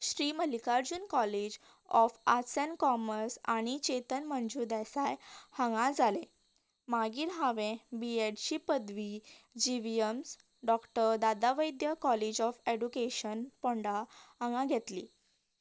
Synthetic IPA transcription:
ɕɾiːməlikaɾd͡ʑuːnkɔled͡ʑ | ɔfasənkɔməɾsañit͡ɕet̪ənmənd͡ʑuːɾd̪ɛsajhə̃ŋɡãd͡zʱalẽ | maɡiːɾɦaʋẽbieɖɕiːpəd̪ʋiːd͡ʑiʋijəms | ɖɔkʈəɾd̪ad̪aʋəjd̪jəkɔlid͡ʑɔfeɖukeɕənpoɳɖaə̃ŋaɡʱet̪lḭː

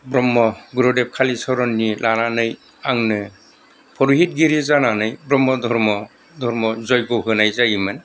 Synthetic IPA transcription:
bɾɔmːɔɡuɾɔdep̚kʰalisɔɾɔnːilʔananɯj | aŋnɯ | pʰɔɾuɦit̚ɡiɾizananɯjbɾɔmːɔdʱɔɾmɔ | dʱɔɾmɔzɔjɡɔɦɯnajzajimɯn

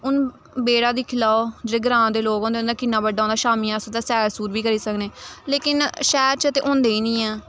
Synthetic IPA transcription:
ʊn | beːɽaːd̪iːkʰɪlaːoːd͡ʒəɽeːɡəɾãːd̪eːloːɡõːnd̪ẽːnd̪aːkɪnːaːbəɖːaːõːnd̪aːʃaːmiːãːsd̪aːsɛːɾsuːɾʋiːkəɾiːsəkneːleːkɪnʃɛːɾt͡ʃəət̪ḛːʔõːnd̪eːiːnĩːɛː

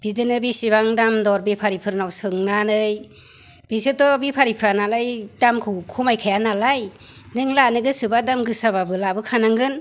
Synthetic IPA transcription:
b̥idɯnɯbisiβaŋdamdɔɾbipʰaɾipʰɯɾnawsɯŋnanɯj | b̥isɯtɔbipʰaɾipʰɾanalajdamkʰɯwkʰumajkʰajanalaj | nɯŋlanɯɡɯsɯbadamɡɯsaβabɯlabɯkʰanaŋɡɯn

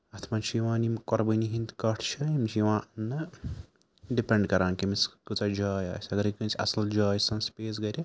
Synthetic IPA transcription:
ɐt̪ʰmant͡ʃʰijiʋãːnimkɔɾbəniɦĩnd̪kɐʈʰt͡ʃʰɐimt͡ʃʰijiʋãːnɨ | ɖipẽɳɖkɐɾaːnkimiskut͡sad͡ʒaːja̰ːsɐɡɐɾikɨnt͡ʃʰiʔɐ̰sɐld͡ʒaːjsɐnspeːs̬ɡɐɾʲi

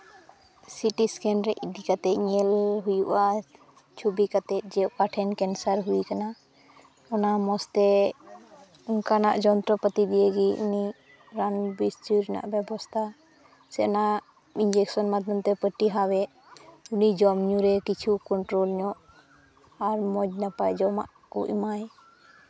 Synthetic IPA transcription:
siʈiskɛnɾɛʔiɖikat̪ɛɲɛlɦujuʔa | t͡ʃʰubikat̪ɛt̪̚d͡ʒɛkaʈʰɛnkɛnsəɾɦuikana | ɔnamɔst̪ɛ | uŋkanaʔd͡ʒɔnt̪ɾɔpət̪id̪ijəɡiṵni | ɾanbist̪iɾɛna̰ʔbjɛbɔst̪ʰa | sɛnaʔʔ | ind͡ʒɛksɔnmad̪ʱjɔmt̪ɛpəʈiɦawɛʔ | unid͡ʒɔmɲuɾɛkit͡ʃʰukɔɳʈɾolɲɔʔ | aɾmɔd͡ʒnapajd͡ʒɔma̰ʔkṵʔmaj

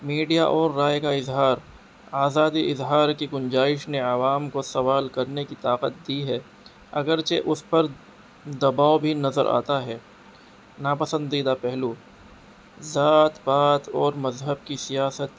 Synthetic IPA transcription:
miːɖijaʔɔːɾːaːjkaɪzɦaːɾ | aːzaːd̪iɪzɦaːɾkiɡʊnd͡ʒaːɪʃneɐʋaːmkosɐʋaːlkɐɾnekit̪aːqət̪̚d̪iɦɛː | ɐɡəɾt͡ʃeʔʊspɐɾ | d̪ɐbaːobʱinɐzəɾʔa̰ːt̪aɦɛː | naːpɐsə̃nd̪iːd̪apɛɦluː | zaːt̪baːt̪ɔːɾmɐzɦəb̚kisijaːsət̪

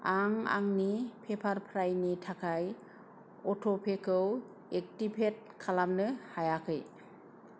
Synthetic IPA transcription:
aŋa̰ŋnipʰepʰaɾpʰɾajnitʰakʰaj | ɔtʰopʰekʰɯw | ek̚tipʰet̚kʰalamnɯhajakʰɯj

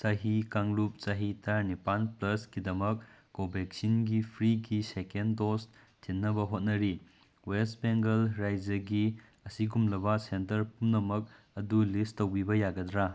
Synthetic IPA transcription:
sɐɦikaŋlup̚sɐɦitʰɐnipanplɐsɡidɐmɐk̚kobek̚sinɡipʰɾiɡisekendos | tʰinːɐbɐɦot̚nɐɾi | westbeŋɡɐlɾajd͡ʒɐɡi | ɐsiɡumlɐbɐsentɐɾpumnɐmɐk̚ | ɐdulistowbibɐjaɡɐdɾa

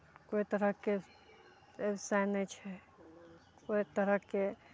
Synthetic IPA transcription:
koit̪əɾəke | esaɪnet͡ʃʰɛ | koit̪əɾəke

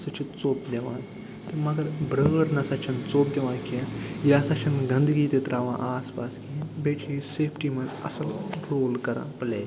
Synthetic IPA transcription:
sɐt͡ʃʰit͡soːp̚d̪eʋã̰ː | t̪emɐɡɐɾbɾəːɽnɐsɐt͡ʃʰɐnt͡soːp̚d̪eʋãːnkijɛjasɐt͡ʃʰɐnɡɐ̃nd̪ɡiːt̪et̪ɾaːʋãʔaːspaːskĩbeːt͡ʃʰiseːfʈimɐzɐ̰sɐlɾoːlkɐɾã̰plḛː

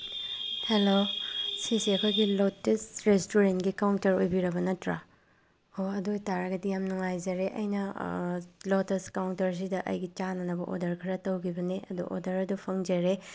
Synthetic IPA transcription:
helosisiɐkʰojɡilotesɾestuɾentɡikawntɐɾojbiɾɐbɐnɐtɾa | oɐdojtaɾɐɡɐdijamnuŋajzɐɾeʔɐ̰jnɐ | loteskawntɐɾs̬idɐʔɐ̰jɡit͡ʃanɐnɐbɐʔo̰dɐɾkʰɐɾɐtɐwkʰibɐneʔɐ̰dṵʔo̰dɐɾɐdupʰɐŋd͡ʒɐɾe

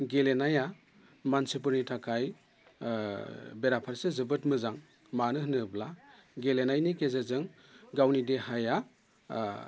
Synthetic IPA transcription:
ɡelenaja | mansip̬uɾnitʰakʰaj | beɾapʰaɾsezɯbɯtmɯzaŋ | manɯɦɯnɯblaɡelenajnikezezɯŋ | ɡawnidehaja

